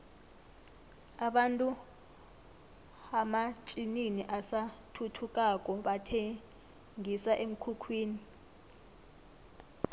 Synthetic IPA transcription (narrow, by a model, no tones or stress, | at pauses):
aɓantʼu | amat͡ʃʼininiʔasatʰutʰukʼak̬ʼɔɓatʰe | ŋisaʔem̩kʰukʰwiːni